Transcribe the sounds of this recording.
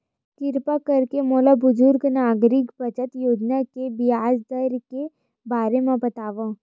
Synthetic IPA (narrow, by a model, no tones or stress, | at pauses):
kɪɾpakɐɾkemoːlabʊzʊɾɡnaːɡɾɪkbɐt͡ʃət̪joːd͡ʒnakebɪjaːd͡ʒd̪əɾke | baːɾemãbɐt̪aːʋã